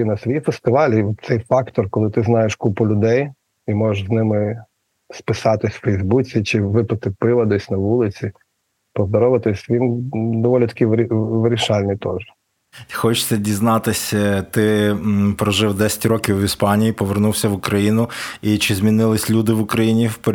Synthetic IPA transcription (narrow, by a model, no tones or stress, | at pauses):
inɐsʋɔjifest̪ɪʋɑlʲiɔt̪̚t̪sɛjfɑkt̪ɔrkɔlˠɪt̪ɪznɑjeʃkupʊlʲʊd̪ɛj | imɔʒʃznɪmɪ | spɪsɑt̪ɪsʲfɛjzbut͡sʲit͡ʃɪʋɪpɐt̪ɪpɪʋɐd̪ɛsʲnɐʋulˠɪt͡sʲi | pɔzd̪ɔɾɔʋɐt̪ɪsʲʋʲind̪ɔʋɔlʲit̪ɐ̥kʲiʋʲʋɪɾʲiʃɑlʲnʲit̪ɔʒ | xɔt͡ʃt̪sɛdʲiznɑt̪ɪsʲt̪ɪpɾɔʒɪwd̪ɛsʲɐ̥tʲrɾɔkʲiwːʲispɑnʲijipɔʋernuwsʲɐʋʊkɾɐjinʊit͡ʃɪzmʲinɪlˠɪsʲlʲud̪ɪʋʊkɾɐjinʲiwpʲ